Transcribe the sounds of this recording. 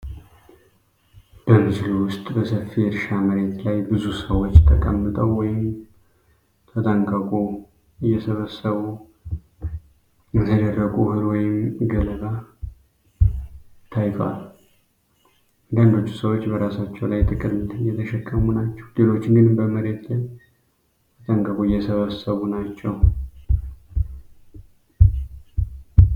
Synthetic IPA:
b̥əmɨzluwʊst̪ʼbəsəfːiɾʃaməɾe̞t̪lajbɨzusəwot͡ʃːt̪ʰəkʼəmːɨt̪ʼəwːɔjɪm | t̪ʰət̪ʰʼəŋkʼəkʼu | ɨjːɛsəβəsːəβu | ɨnsəd̪ərːəkʼuhɨɾwɔjɪmɡələba | t̪ʰajfa̰l | ɡ̪ənd̪o̞t͡ʃːu̥səwo̞t͡ʃːbəɾasat͡ʃːɛwlajt̪ʼɨkʼɨɾjɛt̪ʰəʃɛkʼːəmunat͡ʃːɛwlelo̞t͡ʃːɪŋɡɨnbəməɾe̞t̪laj | t̪ʰət̪ʰʼəŋkʼəkʼuɨjːɛsəβəsːəβunat͡ʃːɛw

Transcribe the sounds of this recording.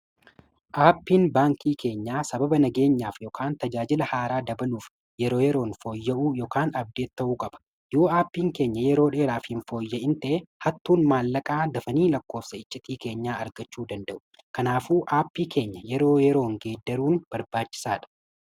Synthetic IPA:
ʔaːpːiːnbaːŋkiːkʰe̞ːɲːaːsɐbɐbɐnɐɡe̞ːɲːaːfjoːkʰaːnt̪ɐd͡ʒaːd͡ʒɪlɐhaːɾaːd̪ɐbɐluːf | jɛɾo̞ːjɛɾo̞ːnfo̞ːjːɛʔuːjoːkaːnɐb̚d̪e̞ːt̪ːɐʔuːkʼɐb̥ɐ̥ | joːaːpːiːŋke̞ːɲːɐjɛɾo̞ːᶑe̞ːɾaːfhɪnfo̞ːjːɛʔɪnt̪ɐʔehɐt̪ːuːnmaːlːɐkʼaːd̪ɐfɐniːlɐkːo̞ːfsɐɪt͡ʃʼːɪt̪iːke̞ːɲːaːɐɾɡɐt͡ʃːuːd̪ɐnd̪ɐʔʊ̥ | kɐnaːfuːʔaːpːiːkʰe̞ːɲːɐjɛɾo̞ːjɛɾo̞ːŋɡe̞ːd̪ːɐɾuːnb̥ɐɾbaːt͡ʃːɪ̥saːᶑɐ̥

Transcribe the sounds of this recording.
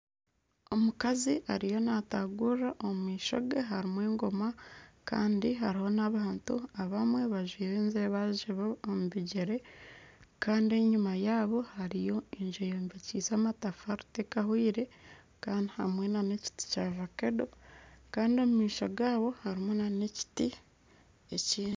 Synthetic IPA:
o̞mukaziʔaɾijo̞nataɡuraʔomumiːʃo̞̰ɡeɦaɾimweːŋɡo̞maka̰ːndiɦaɾiho̞naβaːntuaβamwe̞βaʒwiːɾeːnzeβaʒiβoomuβiɟeɾe̞ | kaːndie̞ɲumajaːβo̞haɾijo̞iɲʒojoːmveciːsaːmatafaɾu̥te̞kahwiːɾe̞ | kaːndiha̰mwe̞nane̞ci̥ti̥cavake̞do̞kaːndio̞mumiːʃoɡaːβo̞haɾimonaneci̥ti | eciː

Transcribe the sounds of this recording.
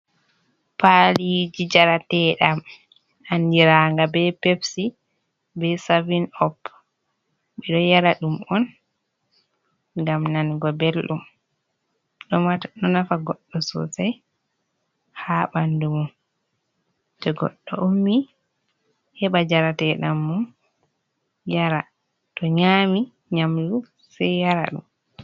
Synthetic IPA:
palid͡ʒid͡ʒaɾatɛɗam | andiɾaŋɡabɛpefsi | bɛsavinɔp | ɓɛɗɔjaɾaɗumɔn | ŋɡamnanɡɔbelɗum | ɗɔmanɔnafaɡɔɗːɔsɔ̰saj | haɓandumun | d͡ʒɔɡɔ̰ɗːɔ̰ʔomːi | hɛɓad͡ʒaɾatɛɗamːun | jaɾa | tɔɲaːmi | ɲamdu | sajjaɾa̰ɗṵm

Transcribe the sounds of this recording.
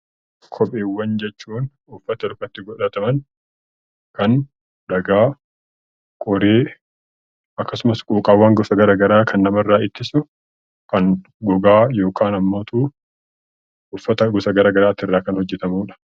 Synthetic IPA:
kʰɔpʼeːwːɐnd͡ʒɛt͡ʃːuːn | ʊfːɐt̪ɐɾʊkːɐt̪ːɪɡɔᶑɐt̪ɐmɐn | kɐn | ᶑɐɡaː | kʼɔɾeː | ɐkːɐsʊmɐskʼuːkʼaːwːaːŋɡɔsɐɡɐɾaːɡɐɾaːkʰɐnːɐmɐrːaːɪt̪ːɪsʊ | kɐn | ɡɔɡaːjo̞ːkʰaːnɐmːoːt̪uː | ʊfːɐt̪ɐɡɔsɐɡɐɾaːɡɐɾaːt̪ːɪrːaːkɐnhɔd͡ʒːɛt̪ɐmuːᶑɐ̥

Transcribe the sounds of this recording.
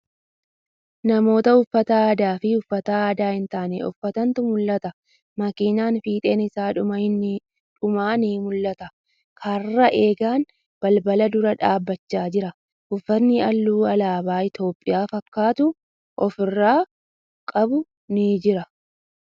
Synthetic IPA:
nɐmo̞ːt̪ɐʊfːɐt̪ɐaːd̪aːfɪʊfːɐt̪ɐaːd̪aːhɪnt̪aːnɛ̰ʊ̰fːɐt̪ɐnt̪ʊmʊlːɐt̪ɐ | mɐkiːnaːnfiːt̪ʼeːnɪsaːᶑʊmɐɪnː | ᶑʊmaːniːmʊlːɐt̪ɐ | kʰɐrːɐʔe̞ːɡaːn | b̥ɐlbɐlɐd̪ʊɾɐᶑaːbːɐt͡ʃːaːd͡ʒɪɾɐ | ʊfːɐnːɪɐlːuːɐlaːbaːɪt̪o̞ːpʼːɪjaːfɐkːaːt̪ʊ | ʔɔfɪrːaː | kʼɐbʊ | nɪd͡ʒɪɾɐ

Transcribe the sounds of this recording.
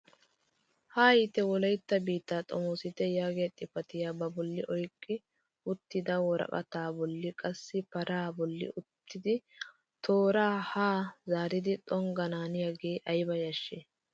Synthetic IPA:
haːjɪt̪ɛwɔlɐjt̪ːɐbiːt̪ːaːt̪ʼɔmoːsɪt̪ɛjaːɡeːt̪ʼːɪpɐt̪ɪjaːbɐbɔlːɪʔɔjkʼːɪ | ʊt̪ːɪd̪ɐwɔɾɐ̰kʼɐ̰t̪aːbɔlːɪkʼɐsːɪpɐɾaːbɔlːɪ̰ʊt̪ːɪd̪ɪ | t̪ʰoːɾaːhaːzaːɾɪd̪ɪt̪ʼɔŋɡɐnaːnɪjaɡeːʔɐjbɐjɐʃːeː

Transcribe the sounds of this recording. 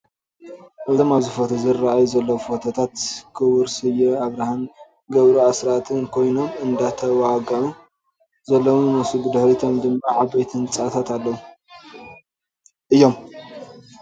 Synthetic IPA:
ʔɨzomazɨfot̪ʰuzɨrːaʔajuzɐlːɐwfot̪ʰɐt̪ʰat̪kʰɨwʊɾsɨjɛaβɾahan | ɡɐβɾuasɾat̪ʰɨnkʰo̞jno̞mɨnd̪at̪ʰɐwaɡɐʕu | zɐlːowunɨsubɨd̪ɨħɾit̪ʰomd̪ɨmːaʕabejt̪ʰɨnt͡sʼat̪ʰat̪alːɐwu | ʔɨjːo̞m

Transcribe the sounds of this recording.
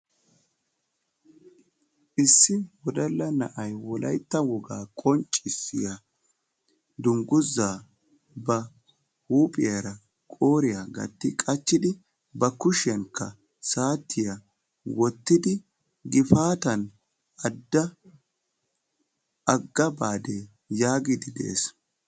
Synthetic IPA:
ʔɪsːɪwɔd̪ɐlːɐnɐ̰ʔɐjwɔlʔɐjt̪ːɐwɔɡa̰ːkʼɔnt͡ʃʼːɪsːɪ̰jɐ | d̪ʊŋɡʊzːaː | bɐ | huːpʼɪjɐɾɐ | kʼoːɾɪjɐɡɐ̰t̪ːɪkʼɐt͡ʃːɪd̪ɪ | bɐkʊʃɪjɐnkʰːɐ̰ | saːt̪ʰːɪjɐ | wɔt̪ːɪd̪ɪ | ɡɪfaːt̪ɐn | ɐd̪ːɐ | ʔɐɡːɐbaːd̪e | jaːɡɪd̪ɪd̪ɛ̰ʔḛs

